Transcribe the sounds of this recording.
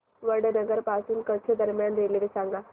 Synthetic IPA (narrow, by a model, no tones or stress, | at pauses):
ʋəɽənəɡəɾpaːsunkət͡ʃʰəd̪əɾmjaːnɾeːleʋesãːŋɡaː